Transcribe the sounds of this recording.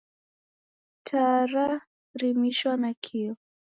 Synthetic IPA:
tʰaɾa | ɾimiʃwanakʰiɔ

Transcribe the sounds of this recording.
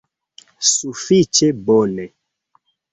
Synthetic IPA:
sufit͡ʃɛbɔnɛ

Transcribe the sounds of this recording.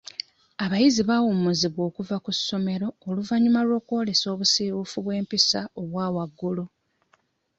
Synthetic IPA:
aβajiziβawumuziβwo̞ːkuvakusːo̞me̞ɾo̞ːluvaɲumalwo̞ːkwo̞ːle̞so̞ːβusiwufuβwe̞ːmpisaoβwaːwaɡːulu

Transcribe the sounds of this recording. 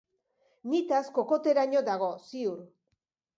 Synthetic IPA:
nit̪asko̞ko̞t̪e̞ɾaɲo̞d̪aɣ̞o̞siuɾ

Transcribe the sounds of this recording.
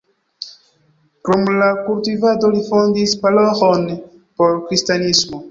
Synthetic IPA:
kɾomlakultivado̞lifondispaloxon | po̞ɾkɾistanismo

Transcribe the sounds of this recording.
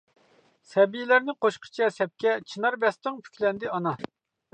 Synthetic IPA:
sɛbijilæɾnɪqoʃqʰə̥t͡ʃʰɛsɛp̚kʲɛt͡ʃʰinɑɾbɛst̪ɨŋpʰy̥kʲʰlɛnd̪ɪɑnɑ

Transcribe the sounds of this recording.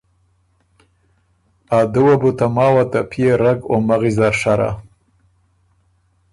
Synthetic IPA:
ad̪uwabut̪amɑːwat̪apʰijeɾaɡomaɣizaɾʂaɾa̰

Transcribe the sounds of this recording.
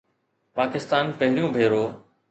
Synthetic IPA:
paːkɪst̪aːnpɐɦɪɾijũːbʱeːɾoː

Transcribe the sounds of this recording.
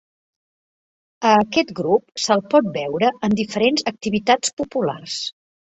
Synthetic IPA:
əːkɛt̪ɡɾup̚səlˠpɔt̪̚bɛwɾəənd̪ifəɾenzək̚t̪iβit̪at͡spupula̰rs

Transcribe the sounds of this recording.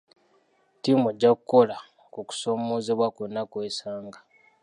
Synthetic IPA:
timueɟːakuko̞la | kuku̥so̞ːmo̞ːzeβwakonːakwesaːŋɡa

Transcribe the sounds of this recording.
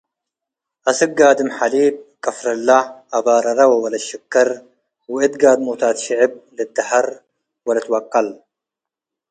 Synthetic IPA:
ʔɐsɨk̚ɡaːd̪ɨmħaliːb̚kʼɐfɾɐlːaʔabaɾˤɐɾɐwɐwɐlɐʃɐkːɐɾ | wɪʔɨt̪ɡaːd̪mut̪ʰaːt̪ʃɪʕɪb̚lɨd̪ːɐħɐɾ | wɐlɐt̪wɐqʼːɐl

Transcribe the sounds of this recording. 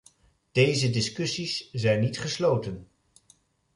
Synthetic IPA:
d̥ejzədɪskɵsiszɛjnːitχəslowtən

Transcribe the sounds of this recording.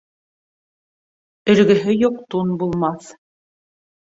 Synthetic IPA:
ɵ̆lɡɵ̆ɦɘjuqt̪unbulˠmɑθ

